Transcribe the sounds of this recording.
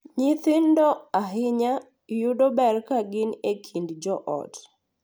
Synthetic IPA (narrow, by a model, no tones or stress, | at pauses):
ɲɪθɪndɔaɦɪɲa | judobɛrkaɡɪnekʰindd͡ʒɔʔɔ̰t